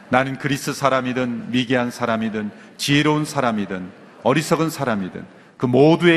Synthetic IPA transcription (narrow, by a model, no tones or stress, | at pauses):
nanɯnkɯɾis͈ʰɯsʰaɾamidɯnmiɡeɦansʰaɾamidɯn | t͡ɕieɾounsʰaɾamidɯn | ʌɾis͈ʰʌɡɯnsʰaɾamidɯ̰n | kɯmodue